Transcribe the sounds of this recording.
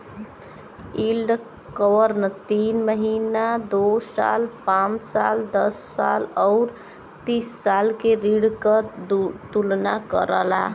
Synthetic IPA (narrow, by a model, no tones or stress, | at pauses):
ilɖ | kəwəɾnt̪inməɦinad̪osa̰lpãnt͡ʃsa̰ld̪əsːa̰lɔʊɾ | t̪isːalkeɾiɽkət̪ulnakə̰ɾəla̰